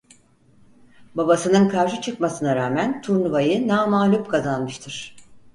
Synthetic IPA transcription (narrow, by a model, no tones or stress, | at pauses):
babasɯnɯnkʰaɾʃɯt͡ʃʰɯkmasɯnaɾaːmænt̪ʰuɾnuvajɯnaːmaːlʲupkʰazanmɯʃt̪ʰɯɾ̥